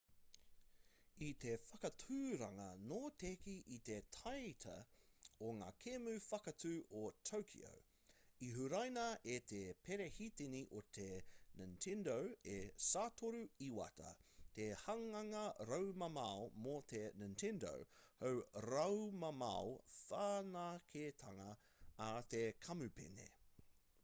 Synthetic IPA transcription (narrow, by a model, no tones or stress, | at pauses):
it̪e̞fɐkɐtʰʉɾɐŋɐnoːt̪ekiʔit̪etʰɐjt̪ʰɐ̰oŋa̰ːkʰemʉfɐkɐtʰʉːotʰowkʰḭo̰w | iɦʉɾɐjnɐʔet̪ʰepʰeɾehit̪iniʔot̪ʰenintʰendowesaːtʰoɾuiwɐ̰tɐ̰t̪ehɐŋɐŋɐɾɐwmɐmɐomot̪ʰenɐntʰɛndo̰whɐwɾɐwmɐmɐ̰ofaːnakʰet̪ʰɐŋɐ | at̪ekʰɐmʉpḛnḛ